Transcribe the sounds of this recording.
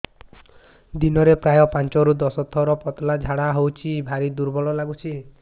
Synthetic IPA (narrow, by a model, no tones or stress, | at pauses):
d̪inɔɾepɾajɔpant͡ʃɔɾud̪ɔsɔt̪ʰːɔɾɔpɔt̪ɔlad͡ʒʱaɽaɦowt͡ʃʰibʱaɾid̪uɾbɔɭɔlaɡut͡ʃʰi